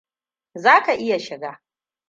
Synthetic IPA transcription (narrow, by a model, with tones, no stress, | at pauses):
zaː˦kʰa˨ʔi˦ja˨ʃa˨ɡa˨